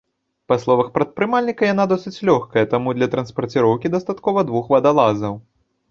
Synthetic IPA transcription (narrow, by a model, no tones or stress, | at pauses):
pɐslˠɔvɐxpɾɐt̪̚pɾɨmalʲnʲikɐjanad̪ɔsɨt͡sʲlʲɔxkɐjɛt̪amud̪lʲɐt̪ɾɐnspɐrt͡sʲiɾɔwkʲid̪ɐst̪at̪kɔvɐd̪vuxvɐd̪alˠazɐw